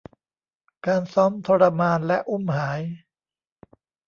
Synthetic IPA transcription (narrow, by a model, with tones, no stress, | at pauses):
kaː˧nsɔ˦˥mt̪ʰoː˧ɾa˧maː˧nlɛ˦˥ʔu˥˩mhaː˩˦j